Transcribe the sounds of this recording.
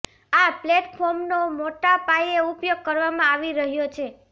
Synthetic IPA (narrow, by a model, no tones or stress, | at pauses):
aplɛʈpʰɔɾmnomoʈapajeupjoɡ̚kəɾʋamãaʋiɾəɦjot͡ʃʰe